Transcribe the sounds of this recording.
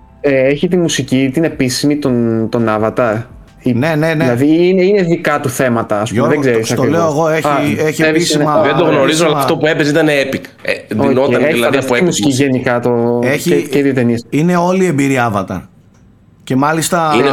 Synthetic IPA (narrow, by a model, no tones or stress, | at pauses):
eeçit̪̬imusicit̪ine̞pisimit̪ont̪o̞nɐvɐt̪ɐ | inenenilɐðiineineðikɐt̪uθe̞mɐt̪ɐːsuomðeɡzeɾɾisɐkt̪oivleoeɣoeeçieisinmɐðed̪oɣno̞ɾizoɐlɐɐft̪opue̞pesit̪ɐneepik | eðoinot̪ɐelɐɐnðseimmusi̥ciʝe̞nikɐt̪oeieeðiot̪eniɐsine̞o̞lie̞mbiɾiɐvɐt̪ɐ̰ | ce̞mɐlist̪ɐin